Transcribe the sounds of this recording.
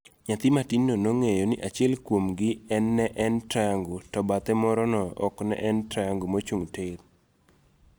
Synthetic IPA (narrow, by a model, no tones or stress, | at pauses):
ɲat̪ɪmatinːonoŋejonɪʔat͡ʃɪɛlkwomɡɪɛnːɛʔɛntɾaŋɡotɔbat̪ɛmɔɾɔnɔɔ̰knɛ̰ʔɛntɾaŋɡomot͡ʃuŋteɾ